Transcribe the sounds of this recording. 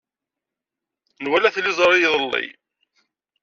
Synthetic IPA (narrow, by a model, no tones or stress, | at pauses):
nwælæθlizˤɾˤijðˤəlːḭ